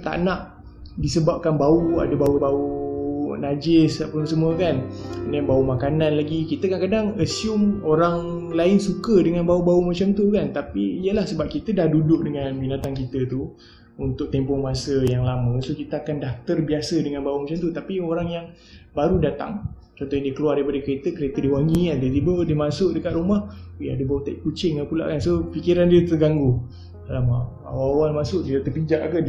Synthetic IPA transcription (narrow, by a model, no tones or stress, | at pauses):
t̪a̰ʔnaʔ | disəbap̚kanbaua̰dəbaubau | nad͡ʒɪspʊnsəmuəkannjaŋbaumakananlaɡikit̪əkankadaŋəsiʊmoɾaŋlaɪnsukədəŋanbaubaumat͡ʃamt̪ukant̪apiːjəlahsəbap̚kit̪ədahdudʊʔ̚dəŋanbinat̪ankit̪ət̪u | unt̪ʊk̚t̪empɔŋmasəjaŋlamə̃sokit̪əakandaht̪ərbiasədəŋanbaumat͡ʃamt̪ut̪apioɾaŋjaŋ | baɾudat̪a̰ŋ | t͡ʃɔnt̪ɔɦɲãdiəkəluardaipadəkəɾet̪əkəɾet̪ədiwaŋiadət̪ibədimasʊʔdəkat̪rumahja̰dibaut̪aʔkut͡ʃɪŋapula̰ʔkansofikiɾandiət̪əɡaŋɡu | alama | a̰waawalmasʊʔdiət̪əbid͡ʒaʔkə